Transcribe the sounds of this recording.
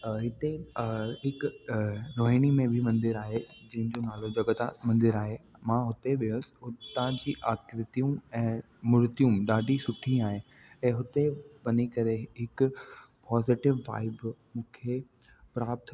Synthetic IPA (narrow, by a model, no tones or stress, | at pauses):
ɦɪt̪eɦɪkʊɾoːɦiːɽ̃imẽbʱɪmɐ̃nd̪ɪɾaːɦed͡ʑɐ̃ɦɪ̃ɲd͡ʑonaːlod͡ʑɐɡət̪a̰mɐ̃nd̪ɪɾaːɦemãɦʊt̪eɓɪəsɦʊt̪ãd͡ʑiːʔaːkɪɾət̪ijũɛ̃ː | mʊɾt̪ijũɗaːɖʱisʊʈʰĩaːɦe | ɛ̃ːɦʊt̪eʋɐnikɐɾeɦɪkʊpɔːzɪʈɪʋːa̰ːɪbmũːkʰe | pɾaːp̚t̪ʰ